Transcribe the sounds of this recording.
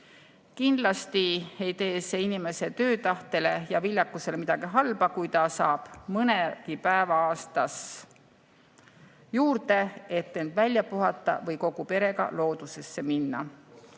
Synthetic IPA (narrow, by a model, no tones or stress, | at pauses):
kind̪̥lɑst̪iejt̪e̞ːseinime̞se̞t̪ø̞ːt̪ɑht̪e̞le̞jɑvilʲjɑkːˑuse̞le̞mid̪̥ɑɡ̥iɦɑlb̥ɑkujt̪ɑsɑːb̥mɤneɡ̥ipæevɑɑːst̪ɑs | juːɾd̪̥e̞e̞t̪ːe̞nd̪̥vælʲjɑpuɦɑt̪ˑːɑ̰vɤjko̞ɡ̥upe̞ɾe̞ɡɑ̰lo̞ːd̪̥use̞sːe̞minːɑ̰